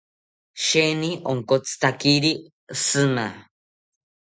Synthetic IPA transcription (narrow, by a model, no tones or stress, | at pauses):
ʃeniʔoŋkot͡sʰɨ̥t̪akiɾi | sɨna